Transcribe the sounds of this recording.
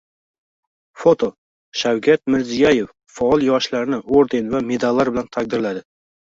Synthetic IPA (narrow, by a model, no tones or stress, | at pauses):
fot̪ʰo̞ | ʃawkʲʰat̪̚mɪɾzijaje̞fːɒɒlˠjɒʃlaɾɪnɪʔoɾd̪e̞nvame̞d̪alːaɾbɪlant̪ʰak̚d̪ɪɾlad̪ɪ